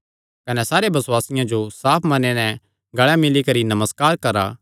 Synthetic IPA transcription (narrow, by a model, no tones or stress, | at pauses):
kɐnɛsaːɾebɐswaːsɪjãd͡ʒosaːpʰmɐnenɛ̃ | ɡɐɭɛmɪlikɐɾinɐməskaːɾkɐɾa̰